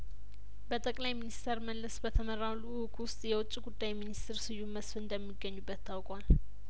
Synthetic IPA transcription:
bət̪ʼəkʼlajminist̪ʰəɾməlːəsbət̪ʰəməɾaluwkʰwʊst̪ʼjɛwʊt͡ʃʼːiɡud̪ːajminist̪ʰɪɾsɨjːuməsfɨnd̪əmːiɡːəɲːubːət̪ʰːawkʼwal

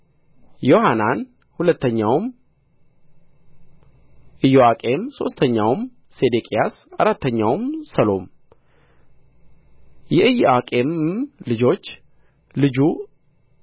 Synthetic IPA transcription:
jo̞hanan | hulət̪ʰːəɲːawm | ʔɨjːoakʼe̞mso̞̰st̪ʰəɲːawm | sed̪ekʼijasa̰ɾat̪ʰːəɲːawmsəlo̞m | jɛʔɨjoakʼe̞mlɨd͡ʒo̞t͡ʃː | lɨd͡ʒu

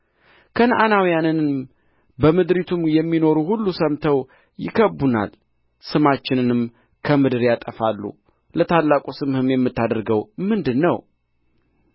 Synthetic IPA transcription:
kʰənʔanawijanɨn | bəmɨd̪ɾit̪ʰumjɛmːino̞ɾuhulːusəmt̪ʰəw | jɪ̰kʰəbːuna̰l | sɨmat͡ʃːɪnɨnɨm | kʰəmɨd̪ɨɾjat̪ʼəfalːṵ | lət̪ʰalːakʼusɨmhɨmjɛmːɨt̪ːad̪əɾɡəwmɨnd̪ɨnːəw

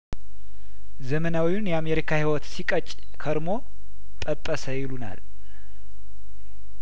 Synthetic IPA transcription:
zəmənawiunjɛame̞ɾikʰahiwɔt̪sikʼət͡ʃʼ | kʰəɾmo̞ | t̪ʼəpʼːəsəjɪluna̰l

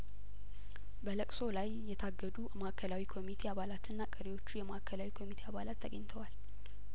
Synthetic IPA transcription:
bələkʼso̞lajːɛt̪ʰaɡːəd̪umakʰːəlawikʰo̞mit̪ʰe̞aβalat̪ʰɨnːakʼəɾiwo̞t͡ʃːujɛmaʔkʰːəlawikʰo̞mit̪ʰe̞aβalat̪ʰːəɡəɲt̪ʰəwal

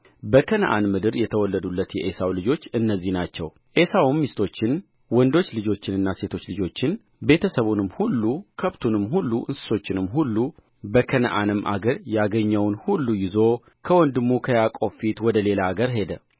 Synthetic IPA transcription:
bəkʰənəʔa̰nmɨd̪ɨɾjɛt̪ʰəwɔlːəd̪ulːət̪jɛʔesawlɨd͡ʒo̞t͡ʃːɨnːəzːihnat͡ʃːɛ̰w | ʔe̞sawumːist̪ʰo̞t͡ʃːɪn | wɔnd̪o̞t͡ʃːlɨd͡ʒo̞t͡ʃːɪnɨnːase̞t̪ʰo̞t͡ʃːlɨd͡ʒo̞t͡ʃːɪn | be̞t̪ʰəsəβunɨmːhulːukʰəβt̪ʰunɨmhulːuʔɨnsɨ̥so̞t͡ʃːɪnɨmːɦulːu | bəkʰənə̰ʔanɨmːʔa̰ɡəɾjaɡəɲːɛwnhulːujɪzo̞ | kʰəwɔnd̪ɨmːukʰəjakʼo̞fit̪wɔd̪əle̞laːɡəɾɦe̞d̪ə

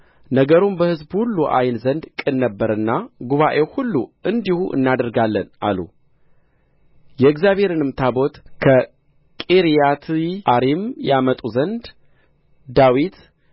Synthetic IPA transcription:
nəɡəɾumbəhɨzbhulːuʔa̰jnzənd̪kʼɨnːəbːəɾɨnːaɡuβaʔe̞whulːuʔɨnd̪ihuʔɨ̰nːad̪əɾɡalːənʔa̰lṵ | jɛɨɡzjaβhe̞ɾɨnɨmt̪ʰabo̞t̪kʰə | kʼeɾijat̪ʰʔaɾimjamət̪ʼuzənd̪ | d̪awit̪

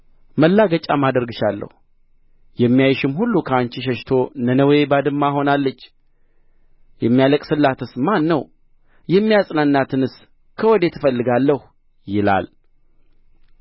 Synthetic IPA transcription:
məlːaɡət͡ʃʼamad̪əɾɡɨʃalːə̰h | jɛmːijajɪʃɪmhulːukʰəant͡ʃiʃ̬ɛʃt̪ʰo̞nənəwebad̪ɨmːaho̞nalːət͡ʃː | jɛmːijaləkʼsɨlːat̪ʰɨsmanːəw | jɛmːijasʼnanːat̪ʰɨnɨs | kʰəwɔd̪e̞t̪ʰɨfəlːɨɡalːəh | jɪla̰l

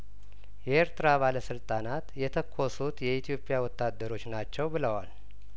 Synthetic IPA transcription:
jɛeɾt̪ʰɨɾaβaləsɨlt̪ʼanat̪jɛt̪ʰəkʰːosut̪jɛit̪ʰijo̞pʼjawɔt̪ʰːad̪ːəɾo̞t͡ʃːnat͡ʃːɛwbɨləwal

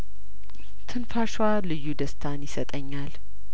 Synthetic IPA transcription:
t̪ʰɨnfaʃwalɨjːud̪əst̪ʰanjɪsət̪ʼəɲːal

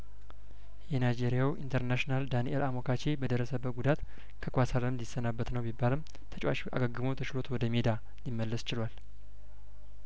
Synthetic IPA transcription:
jɛnajd͡ʒe̞ɾijawʔḭnt̪ʰəɾnaʃnald̪anḭʔɛlamokʰat͡ʃe̞bəd̪əɾːəsəbːət̪̚ɡud̪at̪ | kʰəkʷasaləmd̪ɪsːənabːət̪nəwmibːalɨm | t̪ʰət͡ʃʼwa̰ʃʔa̰ɡəɡɨməwt̪ʰət͡ʃɪlo̞t̪wɔd̪əmed̪a | limːəlːəst͡ʃɪlwal

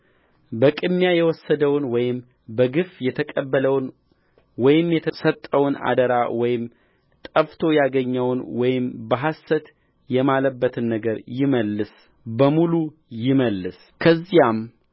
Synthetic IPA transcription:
bəkʼɨmːjajɛwɔsːəd̪əwnwɔjɪm | bəɡɨfjɛt̪ʰəkʼəbːələwn | wɔjɪmjɛt̪ʰəsət̪ʼːəwna̰d̪əɾawɔjɪm | t̪ʼəft̪ʰo̞jaɡəɲːəwnwɔjɪmbəɦasːət̪ | jɛmaləbːət̪ʰɨnːəɡəɾjɪməlːɨs | bəmulu | jɪməlːɨs | kʰəzːijam

